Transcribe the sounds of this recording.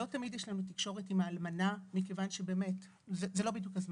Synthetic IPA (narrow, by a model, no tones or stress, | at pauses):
lo̞tamidjeɛʃlanutikʃo̞ʁe̞timaːlmanamikevanʃebe̞ːme̞t | zezelo̞bid̪jukhazm